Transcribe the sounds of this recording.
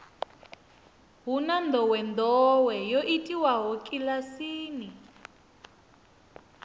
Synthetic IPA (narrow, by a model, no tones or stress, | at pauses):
ɦunand̪ʱɔwɛnd̪ɔwɛjoʔitʼiwaɦɔkʼilasiːni